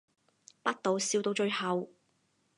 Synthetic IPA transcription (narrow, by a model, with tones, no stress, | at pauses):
pɐ˥t̚t̪o˨wsiː˧wt̪o˧wt͡ʃɵ˧ɥhɐ˨w